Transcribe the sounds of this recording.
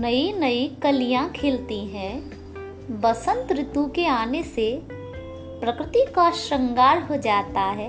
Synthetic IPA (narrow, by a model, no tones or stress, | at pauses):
nɐinɐikɐlijãkʰeːlt̪iɦɛ̃ | bɐsə̃nt̪ɾɪt̪ũkeaːnese | pɾɐkɾɪt̪ikaʃɾə̃ŋɡaːɾɦod͡ʒaːt̪aɦɛː